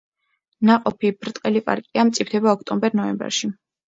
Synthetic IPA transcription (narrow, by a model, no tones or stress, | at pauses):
naqʼɔpʰibɾt̪ʼqʼɛlipʼa̰ɾkʼiamt̪sʼip̚ʰt̪ʰɛbaɔkʰt̪ʼɔmbɛɾnɔɛmbɛ̰ɾʃi